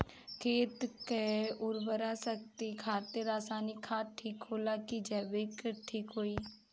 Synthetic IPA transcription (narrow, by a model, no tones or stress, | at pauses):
kʰeːt̪keʊɾbəɾaːsək̚t̪ikʰaːt̪eɾaːsaːnikʰaːʈʰːiːkɦoːlaːkid͡ʒɛːbeːkʈʰiːkɦoːiː